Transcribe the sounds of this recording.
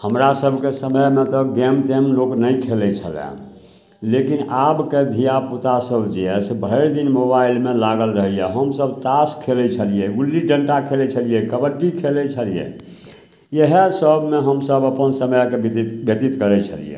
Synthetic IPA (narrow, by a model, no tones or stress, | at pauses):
həmɾasəbʱkesəməjmet̪ɔɡemʈemloknəjkʰelɛt͡ʃʰəlɛ̰̃ | lekinabked̪ʱijaput̪asəbd͡ʒiɛsebʱəɾd̪inmobailmelaɡəlɾəɦɛjaɦəmsəbʱt̪askʰelɛt͡ʃʰəlijɛɡulːiɖəɳʈakʰelɛt͡ʃʰəlijɛkəbəɖikʰelɛt͡ʃʰəlijḛ | jəɦesəbʱmeɦəmsəbəpənsəməjkeb̪bjət̪it̪kəɾɛt͡ʃʰəlḭjḛ